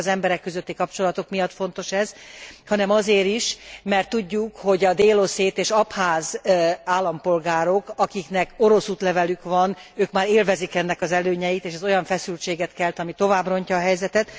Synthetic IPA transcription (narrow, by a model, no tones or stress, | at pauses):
zɛmbɛɾɛkːøzøt̪ːikɒpt͡ʃo̞lɒt̪o̞kmijɒt̪fo̞nt̪o̞ʃɛzhɒnɛmɒzeːɾiʃmɛrt̪ːuɟːukho̞ɟɒd̪eːlo̞seːt̪eːʃɒphaːzaːlːɒmpo̞lɡaːɾo̞kɒkiknɛko̞ɾo̞suːt̪lɛvɛlykʋɒnøːkmaːɾeːlvɛzikɛnːɛkɒzɛløːɲɛjit̪eːʃɛzo̞jɒɱfɛsylt͡ʃeːɡɛt̪kɛlt̪ɒmit̪o̞vaːbro̞ɲcɒːɦɛjzɛt̪ɛt̪